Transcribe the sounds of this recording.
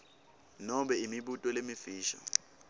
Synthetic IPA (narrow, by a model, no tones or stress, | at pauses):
nɔɓɛimiɓutʼɔlemifiːʃa̰